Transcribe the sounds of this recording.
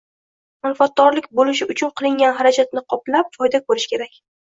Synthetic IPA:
manfat̪̚d̪ɒɾlɪkʲbolɪʃɪʊt͡ʃʰʊnqʰɨlˠɪŋɡʲanɦaɾad͡ʒat̪̚nɪqʰɒplap̚fɒjd̪akʰɵɾɪʃkʲe̞ɾakʲ

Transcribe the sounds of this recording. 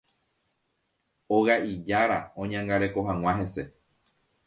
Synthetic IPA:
oɣaʔid͡ʒaɾaõɲãŋɡaɾe̞ko̞ɦãw̃ãɦẽ̞se̞

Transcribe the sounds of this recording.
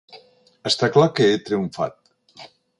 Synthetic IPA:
əst̪aklakəet̪ɾiuɱfa̰t̪̚

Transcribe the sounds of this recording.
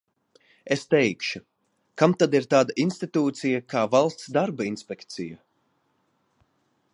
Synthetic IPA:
est̪ɛjkʃu | kamt̪ad̪iɾt̪aːd̪aʔinst̪it̪uːt̪sijakʰaːvalˠst̪sd̪aɾbainspʲɛkt̪sija

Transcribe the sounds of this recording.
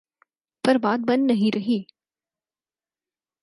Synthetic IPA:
pɐɾbaːt̪̚bɐnːɐɦĩɾɐɦiː

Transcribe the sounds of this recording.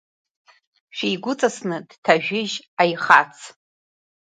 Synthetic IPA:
ʃᶣejɡʷʊt͡sʼasnɨd̥tʰaʒᶣɪʒajχat͡sʰ

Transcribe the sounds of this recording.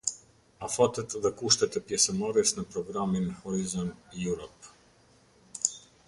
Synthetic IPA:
afat̪ət̪ðɛkuʃt̪ɛt̪ɛpjɛsəmaɾɛsnəpɾɔɡɾaminhɔɾizɔnd̪juɾɔp

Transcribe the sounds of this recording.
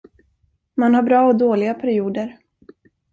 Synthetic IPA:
manhabɾɑːɔd̪oːlɪɡapʰæɾɪuːd̪əɾ

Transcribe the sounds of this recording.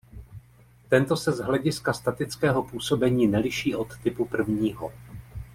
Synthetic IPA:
t̪ɛnt̪o̞sɛzɦlɛɟɪskast̪at̪ɪt͡skɛːɦo̞puːso̞bɛɲiːnɛlɪʃiːʔo̞t̪ːɪpupr̩vɲiːɦo̰

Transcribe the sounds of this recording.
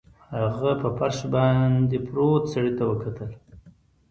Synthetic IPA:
haɣapəpaɾʃbɑnd̪epɾot̪saɽit̪awəkʰat̪əl

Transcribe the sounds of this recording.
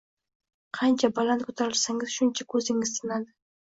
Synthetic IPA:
qʰɑnt͡ʃʰabalˠant̪̚kʰɵt̪ʰaɾɪlsaŋɪzʃʊnt͡ʃʰakʰɵzɪŋɪz̥t̪ʰɪnad̪ɪ

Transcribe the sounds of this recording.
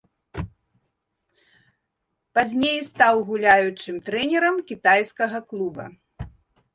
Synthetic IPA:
pazʲnʲejst̪awɣulʲajut͡ʂɨmt̪ɾɛnʲɛɾɐmkʲit̪ajskɐɣɐklˠubɐ̰

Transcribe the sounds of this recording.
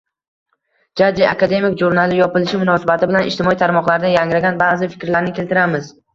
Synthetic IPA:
d͡ʒad͡ʒia̰kad̪e̞mɪkʒuɾnalɪjɒpɪlɪʃɪmʊnɒsabat̪ʰɪbɪlanʔɪʃt̪ɪmɒit̪ʰaɾmɒqlˠaɾd̪ajaŋɾaɡʲanbazɪfɪ̥kʲɾlaɾnɪkʲʰe̞lt̪ɪɾamɪz

